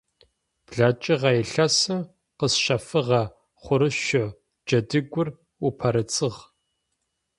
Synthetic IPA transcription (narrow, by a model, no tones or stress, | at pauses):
b̥ɮaːt͡ʃʼɪʁɑjɛɬɐsɐ | qəsʃɐfɨʁɐ | χʷʊɾɨʃɔ | d͡ʒɐdɨɡʷʊr | upʰɐɾɐt͡sʼɨʁ